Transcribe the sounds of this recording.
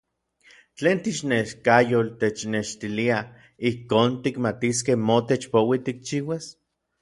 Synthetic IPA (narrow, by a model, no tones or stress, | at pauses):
t͡ɬeːnt̪iʃneʃkajolt̪et͡ʃneʃt̪ilia | ihkoːnt̪ikmat̪is̬kehmot̪et͡ʃpowit̪ik̚t͡ʃiːwas